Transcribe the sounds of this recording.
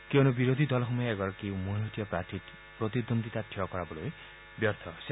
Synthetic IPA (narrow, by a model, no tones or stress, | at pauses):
keonubiɾod̪ʱid̪ɔlɔɦumɔjaeɡɔɾɔkewmuĩɦɔt̪ijɔpɾati | pɾɔt̪id̪ond̪it̪aʈʰiɔkɔɾabɔloj | bjɔɾt̪ʰɔse